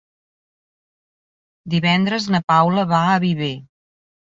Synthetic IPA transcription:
d̪iβɛnd̪ɾəznəpawləβaəβiβe

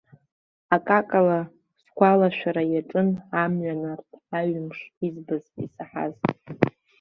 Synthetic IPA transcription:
akʼakʼala | skʷʰalaʃʷᶣaɾajaʈ͡ʂʼɨnamɥanartʰaɥmʂizbazḭsaħa̰ztʼ

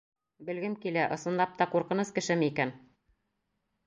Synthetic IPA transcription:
bɘ̆lɡɘmkilæʔɤ̆sɤ̆nlˠɑp̚t̪ɑquɾqɤ̆nɤskɘ̆ʃɘmɘikæn

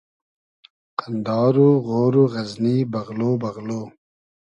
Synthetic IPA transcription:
qənd̪ɑːɾuɣoːɾuɣɐznibɐɣloːbɐɣloː

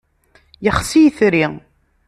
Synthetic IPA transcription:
jəχsijθɾi

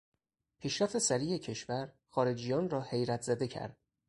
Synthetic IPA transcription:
pʰiːʃɾæft̪e̞sæɾiːje̞cʰe̞ʃvæɾ | xɒːɾe̞d͡ʒijɒːnrɒːhe̞jɾæt̪ʰz̥æd̪e̞cʰæ̰ɾd̪̥

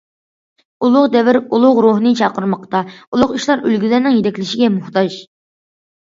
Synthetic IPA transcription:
ulˠʊqd̪ɛvɪɾulˠʊʁɾoɦnɨt͡ʃʰɑqəɾmɑqt̪ɑulˠʊqiʃlˠɑɾølɡʲyzæɾnɪŋjet̪ɛkʲlɪʃiɡʲɛmuht̪ɑʒ

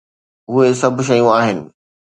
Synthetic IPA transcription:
ɦuesɐbʱʃ̬ɐjũaːɦɪnɪ̆

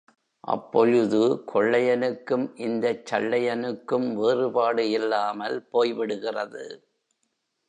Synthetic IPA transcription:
ʔɐ̰pːɔɻɯðɯkʰɔɭːɐjɐnɯkːɯmʔɪnd̪ɐt͡ʃːɐɭːɐjɐnɯkːɯmʋeːrɯpaːɽɯɪlːaːmɐlpoːjʋɪɽɯɣɪrɐðɯ

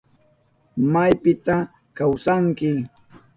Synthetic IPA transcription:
majpɪt̪a | kawsaŋkɪ

